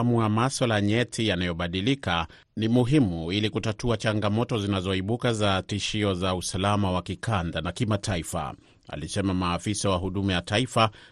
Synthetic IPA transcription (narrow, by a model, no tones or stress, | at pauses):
muamaswalaɲɛtʰijanajɔɓaɗilika | nimuɦimuilikutatuat͡ʃaŋɡamɔtɔzinazɔiɓukazatiʃiɔzausalamawakikandanakimatʰaifa̰ | a̰lisɛmamaːfisawaɦuɗumɛjataifa